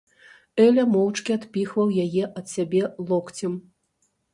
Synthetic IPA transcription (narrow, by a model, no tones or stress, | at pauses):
ɛlʲɐmɔwt͡ʂkʲiat̪pʲixvɐwjajɛʔɐt̪sʲabʲɛlˠɔkt͡sʲɐm